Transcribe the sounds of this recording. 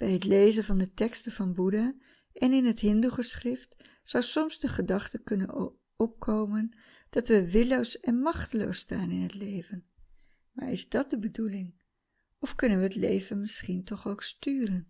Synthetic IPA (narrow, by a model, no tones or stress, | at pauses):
b̥ɛjɦətlejzənvɑndətɛkstəvɑnbuda | ʔɛnɪnɦətɦɪnduχəsχrɪft | sawsɔmzdəχədɑχtəkʏnə̰n | ɔp̚kʰowmən | d̥ɑtʋəʋɪlowsɛnmɑχtəlo̰wstaːnɪnɦətlejvən | ma̰ːɹɪzdɑt̚dəbədulɪŋ | ɔfkʏnənʋəɦətlḛjvənmɪsχintɔχowkstyːrən